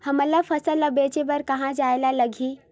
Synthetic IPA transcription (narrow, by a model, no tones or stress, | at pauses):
həməlafʰəsələbet͡ɕebəɾkəɦãd͡ʒajlaləɡʱiː